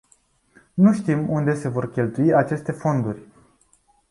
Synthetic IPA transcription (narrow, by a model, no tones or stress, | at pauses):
nuʃt̪imund̪e̞se̞vo̞rkʲe̞lt̪uiat͡ʃe̞st̪e̞fo̞nd̪urʲ